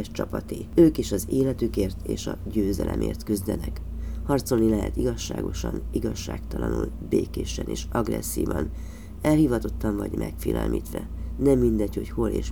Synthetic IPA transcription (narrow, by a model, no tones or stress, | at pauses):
ɛʃt͡ʃɒpɒt̪eːøːkeːʃɒzeːlɛt̪ykeːrt̪eːʃɒɟøːzɛlʔɛmʔeːrt̪kyzd̪ɛnɛk | hɒrt̪so̞lnilɛɦɛ̰t̪iɡɒʃːaːɡo̞ʃɒniɡɒʃːaːkt̪ɒlɒnul | beːkeːʃɛneːʃɒɡrɛ̰sːiːvɒn | ɛlhiːvɒt̪o̞t̪ːɒɱvɒɟmʔɛkfiːlɛlmʔiːt̪ʋɛnɛmːind̪ɛcho̞cho̞leːʃ